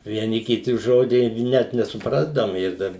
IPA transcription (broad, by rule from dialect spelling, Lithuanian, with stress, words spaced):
ʋʲiɛˈnʲɪ kʲɪˈtʲɪ ˈʒoːdʲiː ˈnʲɛt nʲɛsʊˈprɑːzdɐʋoːm ˈɪr dɐr